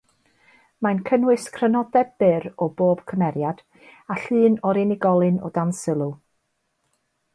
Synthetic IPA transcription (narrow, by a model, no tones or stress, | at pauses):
mankʰənwɨskʰrənɔdɛb̚bɪɾɔboːb̥kʰəmɛɾjad̥ | aɬɨːnɔɾɪnɪɡɔlˠɨnɔ̰dansɪlˠu